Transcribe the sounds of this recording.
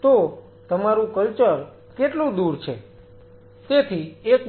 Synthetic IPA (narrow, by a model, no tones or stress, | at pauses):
t̪o | t̪əmaɾũkəlt͡ʃəɾ | keʈlũd̪uɾt͡ʃʰḛ | t̪et̪ʰiek